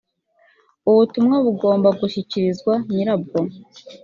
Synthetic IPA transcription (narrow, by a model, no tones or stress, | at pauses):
uβutumŋaβuɡo̞ːmbaɡuʃiciɾizɡwaɲiɾab̚ɡo